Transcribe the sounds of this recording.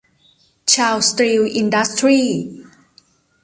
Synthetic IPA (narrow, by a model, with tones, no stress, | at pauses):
t͡ʃʰaː˧wst̪ɾi˧wʔi˧nda˦˥st̪ɾiː˥˧